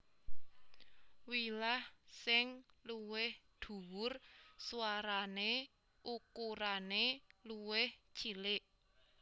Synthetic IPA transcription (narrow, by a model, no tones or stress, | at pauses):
wilahsɪŋ | luwɪhd̪̥ṳwʊrsuwaɾane | ʔukuɾaneluwɪht͡ʃilɪʔ